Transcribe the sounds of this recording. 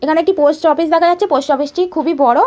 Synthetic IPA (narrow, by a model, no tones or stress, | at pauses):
ekʰaneekʈiposʈɔfisd̪ɛkʰajatːt͡ɕʰeposʈɔfisʈikʰubibɔɽo